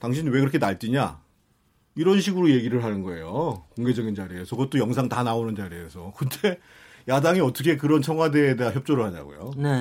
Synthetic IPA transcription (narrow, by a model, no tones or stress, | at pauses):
taŋɕ̬ʰiniwe̞kɯɾʌkʰenaɭt͡ɕ͈iɲa̰ | iɾʌnɕʰiɡuɾoje̞ɡiɾɯɭɦanɯnɡʌe̞jokoŋɡe̞d͡ʑʌɡind͡ʑaɾie̞sʰʌkʌt͈̚ojʌŋsʰaŋtanaonɯnd͡ʑaɾiesʰʌkɯntʰe̞ | jadaŋiʌt͈ʰʌkʰe̞k̬ɯɾʌnt͡ɕʰʌŋɦwade̞ːdeaçjʌp̚t͡ɕ͈oɾɯɭhada̰ɡo̰jo̰ne